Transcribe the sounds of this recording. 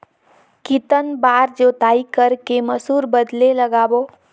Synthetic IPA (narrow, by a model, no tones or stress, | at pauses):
kit̪ənbaɾd͡ʒot̪aikəɾkeməsuɾbəd̪leləɡabo